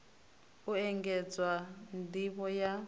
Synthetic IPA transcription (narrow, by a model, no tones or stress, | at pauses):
uɛŋɡɛd͡zwandiβɔja